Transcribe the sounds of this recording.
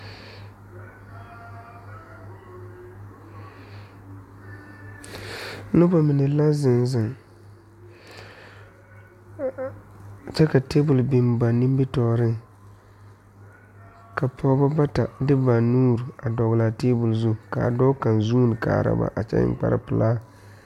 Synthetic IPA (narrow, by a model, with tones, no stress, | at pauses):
lʊ˦ba˨mɪ˨nɛ˨la˦zɪ˨nzɪ˨ŋ˨ | t͡ʃɛ˦ka˨te˦bʊ˨lbɪ˨mba˨ni˦m˦bi˦tɔː˨ɾɪ˦ŋ | ka˨pʰɔ˦ba˦ba˦ta˨dɪ˦ba˨nuː˦ɾa˨dɔ˨ɣla˨teː˦bʊ˨lzʊ˦ka̰˨dɔ˦ka˨nzuː˦nɪ˨ka̰ː˨ɾa̰˦ba̰˨ʔa˨t͡ʃɛ̰˦ɪ̰˨k͡pa̰˦ɾɪ̰˦pɨ˨laː˦